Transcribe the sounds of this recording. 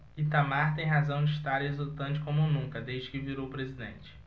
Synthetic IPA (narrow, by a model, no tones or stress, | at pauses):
it̪amaɾt̪ẽj̃ɦazɐ̃w̃d͡ʒɪiʃt̪aɾezut̪ɐ̃t͡ʃɪ̥kõmʊnũŋkɐd̪ejʒd͡ʒɪkɪviɾowʊpɾezid̪ḛ̃nt͡ʃɪ̥